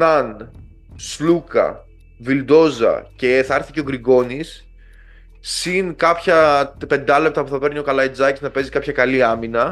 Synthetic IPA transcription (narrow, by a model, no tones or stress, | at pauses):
nɐn | slukɐ̰ | vild̪o̞zɐ̰ce̞θɐɐɾθice̞o̞ɡɾiɡo̞nis | sːinkɐpçɐpe̞nd̪ɐle̞p̚t̪ɐpuθɐpe̞ɾnio̞kɐlɐid͡zɐciznɐpe̞zikɐpçɐkɐliɐminɐ